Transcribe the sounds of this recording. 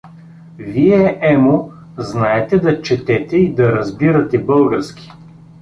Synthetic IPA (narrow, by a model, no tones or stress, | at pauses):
viɛʔɛmo | znaɛt̪ɛd̪ɐt͡ʃɛt̪ɛt̪ɛid̪ɐɾɐzbiɾɐt̪ɛbɤlˠɡɐɾskʲi̥